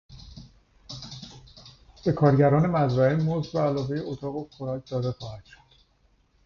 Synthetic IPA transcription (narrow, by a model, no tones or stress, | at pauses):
b̥e̞kʰɒːɾɟæɾɒːne̞mæzɾæemozbæːlɒːve̞jeot̪ʰɒːɣokʰoɾɒcʰd̪ɒːd̪e̞xɒːhæd̪̥ʃo̥d̪̥